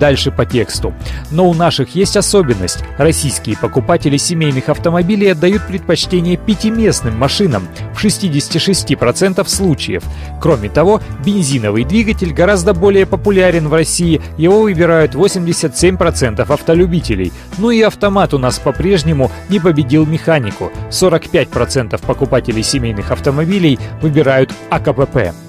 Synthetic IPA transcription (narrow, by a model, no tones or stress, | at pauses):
d̪alʲʂɨpɐtʲekst̪ʊno̞ʊnaʂɨxjesʲtʲɐso̞bʲɪnːə̰sʲtʲrɐsʲijskʲɪjəpəkʊpatʲɪlʲɪsʲɪmʲejnɨxɐft̪əmɐbʲilʲɪjɐd̪ːɐjut̪̚pɾʲɪt̪̚pɐt͡ɕtʲenʲɪjəpʲɪtʲɪmʲe̞snɨmːɐʂɨnəmfʂɨsʲtʲidʲɪsʲɪ̥tʲɪʂɨsʲtʲipɾɐt̪sɛnt̪əfslˠut͡ɕɪ̰jə̰f | kɾo̞mʲɪt̪ɐvo̞bʲɪnʲzʲinəvɨjd̪vʲiɡətʲɪlʲɡɐɾazd̪əbo̞lʲɪjəpəpʊlʲaɾʲɪnvrɐsʲiɪ | jɪvo̞vɨbʲɪɾajʊt̪vo̞sʲɪmʲdʲɪsʲət̪sʲemʲpɾɐt̪sɛnt̪əfɐft̪əlʲʉbʲitʲɪlʲɪ̰j | noɪɐft̪ɐmat̪ʊnaspɐpɾʲe̞ʐnʲɪmʊnʲɪpəbʲɪdʲilˠmʲɪxanʲɪkʊ̰so̞ɾəkpʲæt̚ʲpɾɐt̪sɛnt̪əfpəkʊpatʲɪlʲɪjsʲɪmʲejnɨxɐft̪əmɐbʲilʲɪjvɨbʲɪɾajʊt̪ɐkəpɛpɛ̰